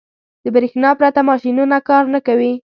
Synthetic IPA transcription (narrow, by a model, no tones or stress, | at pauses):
d̪̥əbɾexnɑpɾat̪amɑʃinunakɑɾnakawi